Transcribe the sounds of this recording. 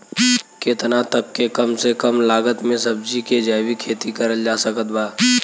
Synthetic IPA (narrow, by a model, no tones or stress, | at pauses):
ket̪nat̪əb̚kekɐmsekəmlaːɡət̪mẽsɐb̚d͡ʒiked͡ʒaːwikʰeːt̪ikəɾəld͡ʒaːsəkət̪baː